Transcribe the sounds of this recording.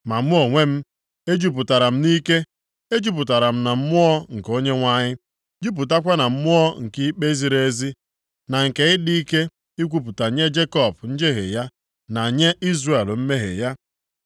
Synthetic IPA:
ma˨m̩˦ʊ˦o˨ŋʷe˦m̩˦ | e˦d͡ʒu˦p̬ʊ˨ta˨ɾa˨m̩˦ni˦ke˦ | e˦d͡ʒu˦p̬ʊ˨ta˨ɾa˨m̩˦na˨m̩˦mʊ˦ɔ˦ŋ̩˨ko˦ɲe˦ŋʷa˦ɲɪ˦ | d͡ʒi˦p̬u˨t̬a˦kʷa˦na˨m̩˦mʊ˦ɔ˦ŋ̩˨ki˦k͡pe˦zi˨ɾe˨˦zi˦ | na˨ŋ̩˨ke˨ɪ˦di˦i˦ke˦ | i˦kʷu˦p̬u˨ta˨ɲe˦d͡ʒe˦kɔ˨b̚n̩˦d͡ʒe˦ɦḛ˨ja˦ | na˨ɲe˦i˦zre˦˨e˨lm̩˦me˦ɦḛ˨ja˦

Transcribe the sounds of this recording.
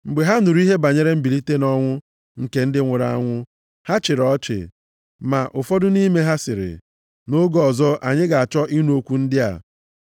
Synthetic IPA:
m̩˨ɡ͡be˨ɦa˦nʊ˨ɾu˦i˦ɦe˦ba˨ɲe˦ɾe˦m̩˦bi˨li˦te˦nɔ˦ŋʷʊ˦ | ŋ̩˨ke˨n̩˦dɪ˦ŋʷʊ˨ɾa̰˦a˦ŋʷʊ˦ | ha˦t͡ʃɪ˨ɾɔ˦t͡ʃɪ̰˨ | ma˨ʔʊ˨fɔ˦dʊ˦ni˦me˦ɦa˦sɪ˨ɾɪ̰˨ | no˦ɡɔ˨zɔ˦ʔa˨ɲɪ˦ɡa˨a˨t͡ʃɔ˦ʔi˦n˦o˦kʷu˦n̩˦dɪ˦a̰˨

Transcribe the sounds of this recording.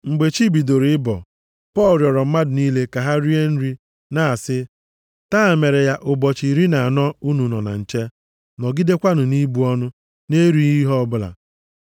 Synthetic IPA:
ŋ͡m̩˨ɡ͡be˨t͡ʃi˦bi˨do˨ɾi˨˦ɪ˦bɔ̰˨ | pɔ˦˨lɾjɔ˨ɾɔ˨m̩˦ma˦dʊ˨niː˦le˦ka˨ɦa˦ɾi˦e˦n̩˦ɾi˦ | na˦a˨sɪ˦ | taː˦˨me˨ɾe˨ja˦ʔʊ˨bɔ˨t͡ʃi˨ɾi˦na˨a˨nɔ˦u˦nu˨nɔ˨na̰˨n̩˨t͡ʃe˦ | nɔ˨ɡi˦de˦kʷa˦nʊ˨ni˦bu˨ɔ˦nʊ˦ | ne˦ɾu˦i˦ɦɔ˦ɔ˦bʊ˦la̰˨

